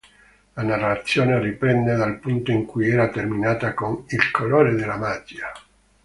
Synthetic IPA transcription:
lanarːat̪sːjoːneripɾɛnd̪ed̪alpunt̪oiŋkujɛːɾat̪erminaːt̪akonilkʰoloːɾed̪elːamaːk̪ːja

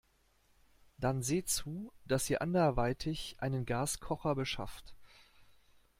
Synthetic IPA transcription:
d̥anzeːt͡suːd̥asiːɐʔandɐɐvaɪtʰɪçʔa̰ɪnənɡaːskʰɔχɐbəʃa̰ft

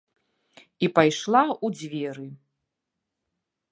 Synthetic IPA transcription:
ipajʂlˠaud͡zʲvʲɛɾɨ

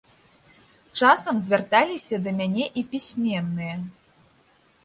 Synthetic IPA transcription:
t͡ʂasɐmzʲvʲart̪alʲisʲɐd̪ɐmʲanʲɛʔipʲisʲmʲɛnːɨjɛ

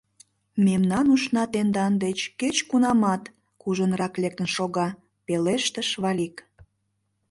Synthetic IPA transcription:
memnɑnuʃnɑt̪end̪ɑnd̪et͡ɕket͡ɕkunɑmɑt̪ | kuʒənrɑklek̚t̪ənʃoɣɑ | peleʃt̪əʃβɑlik

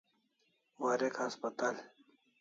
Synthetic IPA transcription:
waɾekhaspɐt̪al

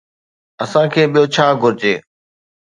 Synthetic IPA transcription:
əsãːkʰeːɓijot͡ɕʰaːɡʱʊɾɪd͡ʑeː

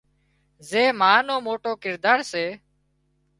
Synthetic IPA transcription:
zeːmaːnoːmoːʈoːkɪɾd̪aːɾseː

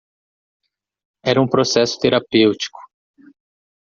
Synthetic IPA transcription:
ɛɾɐũpɾosɛsʊ̥t̪eɾapewt͡ʃi̥kʊ̥

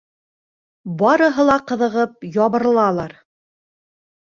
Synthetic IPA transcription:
bɑɾɤ̆ɦɤlˠɑqɤ̆ðɤ̆ʁɤp̚jɒβɤ̆ɾlˠɑlˠɑɾ

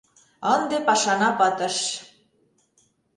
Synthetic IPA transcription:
ənd̪epɑʃɑnɑpɤt̪ə̆ʃ

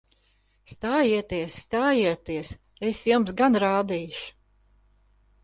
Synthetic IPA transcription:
st̪aːjiɛt̪iɛsːt̪aːjiɛt̪iɛs | esjumsɡanɾaːd̪iːʃu̥

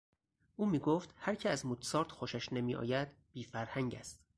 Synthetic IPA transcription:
ʔuːmiːɡoːft̪hæɾcʰeæzmut̪ʰsɒːɾt̪xoʃæʃnemiːʔɒ̰ːjæd̪b̥iːfæɾhæɲɟæst̪

